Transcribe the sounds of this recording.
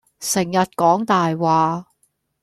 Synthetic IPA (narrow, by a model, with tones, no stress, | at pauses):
sɪ˨˩ŋjɐ˨t̚kɔː˨˥ŋt̪aː˨jwaː˨